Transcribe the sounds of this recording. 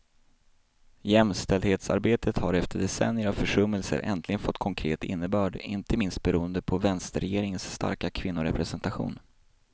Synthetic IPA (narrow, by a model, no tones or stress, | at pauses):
jɛmst̪ɛld̪heːt̪sa̰ɾbeːt̪ʰət̪haɾɛft̪ʰəɖɛsɛ̰nːjəɾavfœʂɵmːəlsə̰ɾʔɛ̰nt̪ʰlɪɡənfɔt̪ːkʰɔŋkʰɾḛːt̪ɪ̰nːəbœːɖɪ̰nt̪ʰəmɪnst̪̚bɛɾuːənd̪əpʰɔvɛnst̪əɾɛjeːɾɪŋənsːt̪a̰ɾkakʰvɪnːʊɾɛpɾɛsɛnt̪aɧṵːn